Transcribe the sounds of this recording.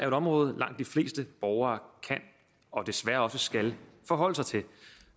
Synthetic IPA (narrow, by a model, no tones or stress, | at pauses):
æɐoeɾɒ̽mʁɔ̽ːð̞̩ˠlʔɑ̈ŋ̰d̥ːifle̝̰ːsd̥əb̥ɒʊɐːkʰæn | ɒ̽d̥e̝sʋæɐɒ̽səsɡ̥ælfɒ̽ɦɒ̽l̰əsɑ̈ɪt͡sʰe̝l